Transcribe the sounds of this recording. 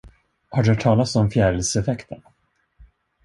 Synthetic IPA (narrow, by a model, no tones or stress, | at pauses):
haɖɵhaʈ̪ʰɑːlat̪sɔmfjæːɖəlsɛfɛkt̪ʰən